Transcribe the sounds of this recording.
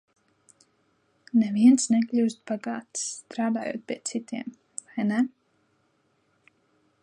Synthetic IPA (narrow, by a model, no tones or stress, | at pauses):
nɛviɛnsnɛklʲuwst̪̚baɡaːt̪st̪ɾaːd̪a̰ːjo̰ːt̪̚pʲiɛt̪sit̪iɛm | vajnɛ